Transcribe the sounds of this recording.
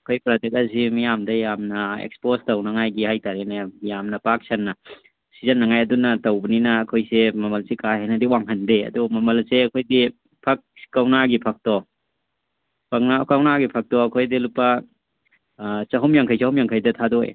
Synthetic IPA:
ɐkʰojpɾatek̚asimijamdɐjamnɐḛkspostɐwnɐŋajɡihajtaɾenejamnɐpak̚sɐnːɐ | sizɐnːɐŋajɐdunɐtɐwbɐninɐːkʰojsemɐmɐlsekaɦenɐdiwaŋɦʰɐndeɐ̰dumɐmɐlseɐkʰojdi | pʰɐk̚kːawnaɡipʰɐk̚tɔ | pʰɐk̚nakawnaɡipʰɐk̚tɔɐkʰojdilupɐ | sɐɦumjaŋkʰajsɐhumjaŋkʰajdɐtʰadɔj

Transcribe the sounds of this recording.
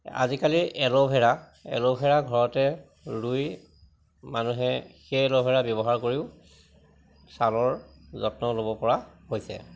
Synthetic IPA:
a̰zikaliʔɛlobʱɛɹa | ɛ̰lobʱɛɹaɡʱɔɹɔtɛ | ɹuj | manuɦɛxejɛlɔbʱɛɹabjɔbɔɦaɹkoɹiʊ | salɔɹzɔtnɔlobɔpɔɹahojsɛ̰

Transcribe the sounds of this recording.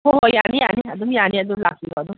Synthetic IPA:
oɦɔjanijaniad̪ujaniad̪ula̰siɡɔd̪u

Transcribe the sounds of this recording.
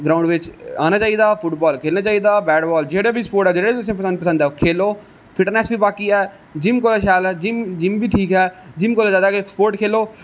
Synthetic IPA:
ɡɾaːʊɳɖʋɪt͡ʃa̰ːnaːt͡ʃaːiːd̪aːpʰʊʈbɔːlkʰeːlnaːt͡ʃaːiːd̪aːbɛːɖbɔːld͡ʒeːɽaːbiːspoːɾʈɛːd͡ʒeːɽaːbit̪ʊsẽːpəsə̃nd̪̚pəsə̃nd̪ɛkʰeːloː | pʰɪʈəɾnɛːsbiːbaːkiːɛː | d͡ʒɪmkoːlaːʃaːlɛːd͡ʒɪmd͡ʒɪmbiːʈʰiːkɦɛːd͡ʒɪmkoːlaːd͡ʒaːd̪aːkesə̥poːɾʈkʰeːloː

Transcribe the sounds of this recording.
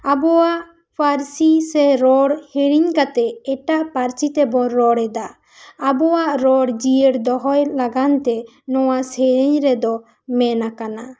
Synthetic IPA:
abɔwaʔ | pʰaɾsisɛɾɔɽheɾiɲkat̪ɛɛʈaʔpaɾt͡ʃit̪ɛbɔɾɔɽɛd̪aː | bɔwaʔɾɔɽd͡ʒijəɽd̪ɔɦɔjlaɡant̪ɛ | nɔwasɛɾiɲɾɛd̪ɔ | mɛnakana

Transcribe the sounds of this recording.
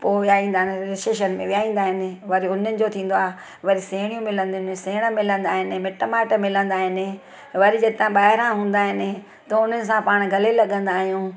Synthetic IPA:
poːʋijaːĩːnd̪aːɦɪnɪɾɪseːʃ̬ənmẽʋijaːĩːn̆d̪aːɦɪnɪ̆ʋɐɾiʊnənɪ̆d͡ʑot̪ʰĩːn̆d̪oaːɦe | ʋɐɾiseːɽ̃ijũmɪlə̃nd̪nɪseːɪɽ̃əmɪlə̃nd̪aːɦɪnɪ̆mɪʈəmaːʈmɪlə̃nd̪aːɦɪnɪ̆ | ʋɐɾid͡ʑɐt̪ãbaːɦɪɾãɦũːn̆d̪aːɦɪnɪ̆ | t̪ɐʊn̤ənɪ̆s̬ãpaːɽ̃ɡʱɐlelɐɠə̃nd̪aːɦijũː

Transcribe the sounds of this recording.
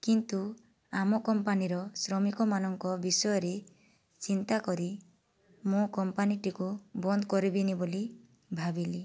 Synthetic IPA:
kint̪u | amɔkɔmpaniɾɔsɾɔmikɔmanɔŋkɔbisɔjɔɾe | t͡ʃint̪akɔɾi | mũkɔmpaniʈikubɔnd̪kɔɾibiniboli | bʱabili

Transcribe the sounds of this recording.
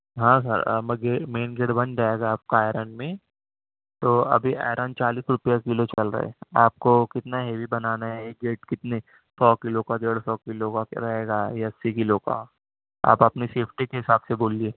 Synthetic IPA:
ɦãːs̬ɐ̰ɾ̰mɡeːmeːnɡeːʈbɐ̃nd͡ʒaːeːɡaaːp̚kaaːɾaːnmẽ | t̪oːɐ̰bʱiʔa̰ːɾənt͡ʃaːliːsɾʊpijakɪlot͡ʃɐlɾɐ̰ɦḛaːp̚kokɪt̪naɦeːʋibɐnaːnaɦɛɡeːʈkɪt̪ne | sɔːkɪlokaɖeːɽsɔːkɪlokaɾɐɦeːɡajasːikɪloka̰ | a̰ːpɐpniseːpʰʈikeɦɪsaːbseboːlieː

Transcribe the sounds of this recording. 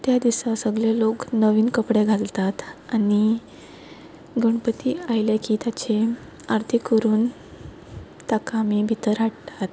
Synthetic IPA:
t̪jad̪isasəɡljaloknəʋiːnkəpɽeɡʱalt̪at̪ani | ɡəɳpət̪iːajlekiːt̪jat͡ɕe | aɾt̪ʰikəɾuːn | t̪akamiːbʱit̪əɾɦaʈt̪at̪

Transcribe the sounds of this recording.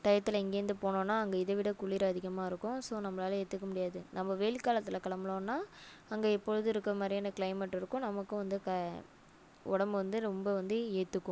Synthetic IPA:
t̪ɐjɐt̪ːɯɪlɐɪŋɡeːɾnd̪ɯpoːɳõːnːaːɐŋɡɐɪðɐʋɪɽɐkʊɭːɪɾɐɐðɪɣɐmaːɪɾɯkːʊ̃soːnɐmːɐlaːlɐeːt̪ːɯkːɐmʊɽɪjaːðɯnɐmːɐʋeːɭkaːlɐt̪ːɪlɐkɐɭɐmɐlõːnːaː | ɐŋɡeɛpːɔɻɯðɯɪɾɯkːɐɐmaːd̪ɾɪjaːnːɐkɭɐɪmɛʈːɪɾɯkːʊ̃nɐmɐkːɯʋɐnd̪ɯkɐ | ɔ̰ɽɐmbɯʋɐnd̪ɯɾɔmbɐʋɐnd̪ɯeːt̪ːɯkːʊ̃

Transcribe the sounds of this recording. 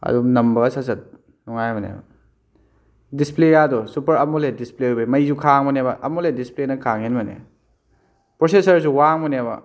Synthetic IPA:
ɐ̰dunɐmbɐsasɐt̚ | nɔŋajmɐnḛbɐ̰ | displejadɔsupɐɾɐmuledisplebemɐjzukʰaŋmɐnebɐʔɐmuledisplenɐkʰaŋinmɐnḛ | pɾosesɐɾsuwaŋmɔnebɐ̰

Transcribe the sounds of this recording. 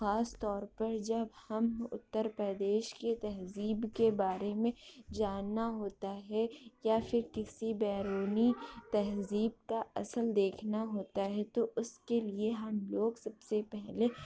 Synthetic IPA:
xaːst̪ɔːɾpɐɾd͡ʒɐbhɐmʊ̰t̪ːəɾpɾəd̪eːʃket̪ɐɦziːbkebaːɾemẽd͡ʒaːnːaɦoːt̪aɦɛjafʰɪɾkɪsibɛːɾoːnit̪ɐɦziːb̚kaɐ̰səld̪eːkʰnaɦoːt̪aɦɛt̪oʔʊskelieɦɐmloːɡsɐbsepɛɦle

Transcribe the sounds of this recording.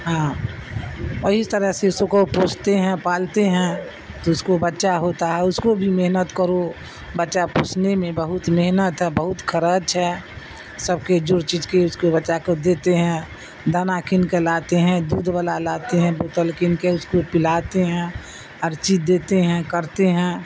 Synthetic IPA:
ɦãː | əɦist̪əɾəɦseʊsõkopoːt͡ʃʰt̪eɦɛ̃paːlt̪eɦɛ̃ | t̪oʊskobətːʃaɦoːt̪aɦɛʊskobʱimeɦnət̪kəɾo | bətːʃapoːt͡ʃnemẽbəɦʊt̪meɦnət̪ɦɛbəɦʊt̪kʰəɾət͡ʃɦɛː | səb̚ked͡ʒʊɾt͡ʃiːd͡ʒkeʊskobət͡ʃakod̪eːt̪eɦɛ̃ | d̪ʱanakʰɪnkelaːt̪eɦɛ̃d̪uːd̪ʋəlalaːt̪eɦɛ̃boːt̪əlkɪnkeʊskopɪlaːt̪eɦɛ̃ | əɾt͡ʃid̪eːt̪eɦɛ̃kəɾt̪eɦɛ̃ː

